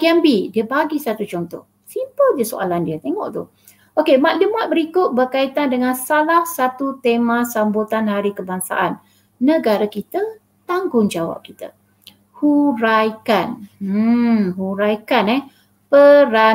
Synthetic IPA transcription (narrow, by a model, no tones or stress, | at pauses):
kiambidiəbaɡisat̪ut͡ʃɔnt̪ɔ̰h | simpəldəso̰a̰landiət̪eŋɔ̰ʔt̪ʊ̰h | okemaʔ̪lumat̪̚bəɾikʊt̪̚bərkait̪andəŋãnsalahsat̪ut̪emãsambut̪anhaɾikəbaŋsa̰ʔanː | əɡaɾakit̪ə | t̪aŋɡʊŋd͡ʒawa̰p̚kit̪ə̰ | huɾajkan̩ | ɦuɾajkanɛ | pəɾa